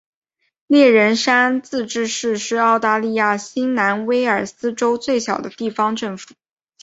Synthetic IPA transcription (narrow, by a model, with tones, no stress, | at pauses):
ljɛ˥˩ɻə˧˥nʂa˥nt͡sɹ̩˥˧ʈ͡ʂɻ̩˥˧ʂɻ̩˥˧ʂɻ̩˥˧ɑ˥˧ʊt̪a˥˧li˥˧ja˥˩ɕi˥ŋna˧˥nwe˥ɪə˞˨˩sɹ̩˥ʈ͡ʂo˥ʊt͡swe˥˩ɪɕjɑ˨˩ʊd̪ə˦t̪i˥˩fɑ˧˥ŋʈ͡ʂɤ˥˩ŋfu̥˨˩˦